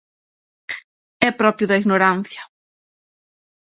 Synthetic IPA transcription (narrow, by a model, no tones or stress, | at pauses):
ɛpɾɔpɾjʊðɐiɣnoɾan̟θjɐ